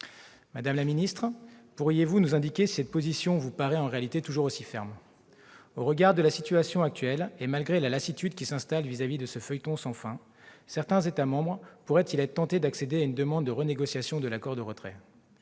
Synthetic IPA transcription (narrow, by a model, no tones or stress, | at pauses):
mad̪amlaminist̪χpuʁjevunuzɛ̃d̪ikʲesi̥sɛt̪̚pozisjɔ̃vupaʁɛɑ̃ʁealit̪et̪uʒuʁosifɛ̰ʁm | oʁəɡaʁd̪əlasit̪ɥasjɔ̃ak̚t̪ɥɛlemalɡʁelalasit̪yd̪kʲisɛ̃st̪alvizavid̪əsəfœjt̪ɔ̃sɑ̃fɛ̃ | sɛʁt̪ɛ̃zet̪amɑ̃bʁpuʁɛt̪ʰilɛt̪t̪ɑ̃t̪ed̪aksed̪eaynd̪əmɑ̃d̪ːəʁəneɡɔsjasjɔ̃d̪əlakɔʁd̪əʁət̪χɛ̰